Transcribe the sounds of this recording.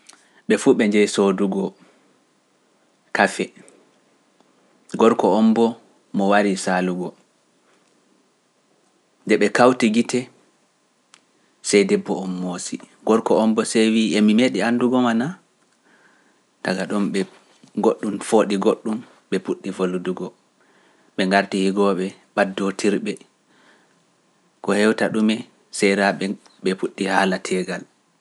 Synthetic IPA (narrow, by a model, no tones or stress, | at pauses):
ɓɛfuːɓɛɲd͡ʒɛjsoduɡɔ | kafɛ | ɡɔɾkɔɔmbɔ | mɔwaɾisaluɡɔ | ndɛɓɛkawtiɡitʰɛ | sɛjdɛbːɔɔmːoːsi | ɡ̥ɔɾkɔɔmbɔsejwiːʔɛmimeɗianduɡɔmana | taɡaɗɔmɓɛ | ɡoɗːumfoːɗiɡoɗːum | ɓɛpuɗːivoluduɡɔ | ɓɛŋɡaɾtihiɡɔɓɛɓadːotʰiɾɓɛ | kɔhɛwtaɗumɛ | sɛɾaɓɛ | ɓɛfuɗːihaːlatʰɛːɡal